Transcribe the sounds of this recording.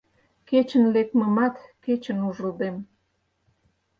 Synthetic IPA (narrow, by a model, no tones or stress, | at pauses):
ket͡ɕənlek̚məmɑt̪ket͡ɕə̆nuʒəld̪em